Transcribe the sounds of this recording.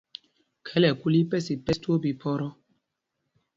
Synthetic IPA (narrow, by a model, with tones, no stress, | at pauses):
kʰɛ˦lɛ˨ku˦li˦pɛ˦si˨pɛ˦stu˦o˦bi˨pʰɔ˦ɾɔ˦